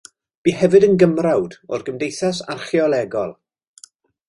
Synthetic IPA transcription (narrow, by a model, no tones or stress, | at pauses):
b̥iːɦɛvɨdənɡəmrawdɔrɡəmdejθasa̰rχjɔlˠɛɡɔlˠ